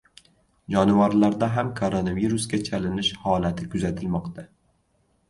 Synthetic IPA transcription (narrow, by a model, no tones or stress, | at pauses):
d͡ʒɒnɪvaɾlaɾd̪aɦamkʰoɾonaviɾʊskʲat͡ʃʰalɪnɪʃhɒlat̪ʰɪkʰʊzat̪ʰɪlmɒqt̪ʰa